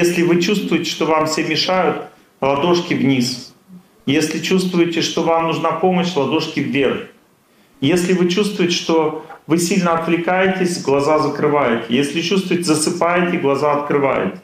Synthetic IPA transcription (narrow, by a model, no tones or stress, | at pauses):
jesʲlʲɪvɨt͡ɕust̪vʊjɪtʲɪ̥ʂt̪ovamfsʲemʲɪʂajʊt̪ | lˠɐd̪o̞ʂkʲɪvnʲis | jesʲlʲɪt͡ɕust̪vʊjɪtʲɪʂt̪o̞vamnʊʐnapo̞məɕlˠɐd̪o̞ʂkʲɪvːʲerx | jesʲlʲɪvɨt͡ɕust̪vʊɪtʲɪ̥ʂt̪o̞vɨsʲilʲnəɐt̪vlʲɪkajɪtʲɪsʲɡlˠɐzazəkɾɨvajʊt̪jesʲlʲɪt͡ɕust̪vʊjtʲɪzəsɨpajɪt̪ʲɪɡlˠɐzaɐt̪kɾɨva̰jʊ̰t̪